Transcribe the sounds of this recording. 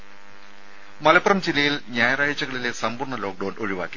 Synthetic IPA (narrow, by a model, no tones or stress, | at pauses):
mɐlɐpːɐrɐmt͡ɕilːɐjilɲaːjɐraːɻɐt͡ɕːɐɣɐɭile̞sɐmburɳɐlo̞ːk̚ɖɐwno̞ɻiʋa̰ːkːi